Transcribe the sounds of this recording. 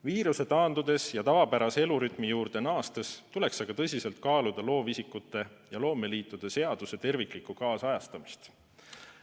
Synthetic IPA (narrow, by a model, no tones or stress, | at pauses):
viːɾuse̞t̪ɑːnd̪ud̪e̞sjɑt̪ɑvɑpæɾɑse̞luɾyt̪ˑmijuːrd̪̥e̞nɑːst̪est̪ule̞ksɑɡ̥ɑt̪ɤsʲise̞lt̪̚kɑːlud̪̥ɑlo̞ːvisʲikːut̪ːˑe̞ | jɑlo̞ːme̞liːt̪ːˑud̪̥ese̞ɑd̪̥use̞t̪e̞rviklikːˑukɑːsɑjɑst̪ɑmist̪